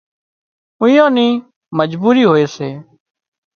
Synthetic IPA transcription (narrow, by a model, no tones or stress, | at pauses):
ʊ̃jãːnĩː | məd͡ʒbuːɾiːɦoːeːseː